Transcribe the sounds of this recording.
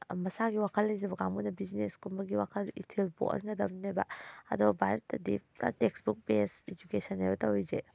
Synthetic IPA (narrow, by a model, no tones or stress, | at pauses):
mɐsaɡiwakʰɐlːɐjzebɐɡaŋmunɐbizineskumbɐɡiwakʰɐlḭtʰilpo̰kɐ̰nɡɐdɐmnajba̰ɐ̰dɔbɐbʱaɾɐtːɐdipɾa̰teksbuk̚pesed͡ʒukesɐnːajbɐtawize